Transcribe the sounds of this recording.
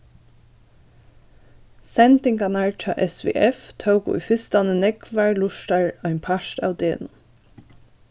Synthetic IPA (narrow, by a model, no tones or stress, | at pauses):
sɛnt̪ɪŋɡɑnæːɹt͡ʃɑ̰ːʔɛsʋḛːʔɛft̪ʰaʊkʊ̰ḭfɪst̪ɑnənɛɡʋæɹlʊʃʈɑɹɑɪmpʰɑʃt̪a̰ːʊd̪eːɛ̰nuː